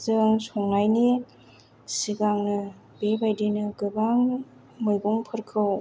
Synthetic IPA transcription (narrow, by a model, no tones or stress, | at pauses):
zɯŋsɔŋnajne | siɡaŋnɯ | bebajdinɯɡɯbaŋ | mɯjɡoŋpʰɯɾkʰɯw